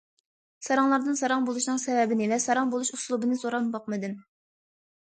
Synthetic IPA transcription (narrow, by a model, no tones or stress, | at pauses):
sɑɾɑŋlˠɑɾd̪ɨnsɑɾɑŋbolˠuʃnɨŋsɛvɛbɪnɪlɛsɑɾɑŋbolˠuʃuslˠubɨnɨsoɾɑmbɑq̚mɨd̪ɨn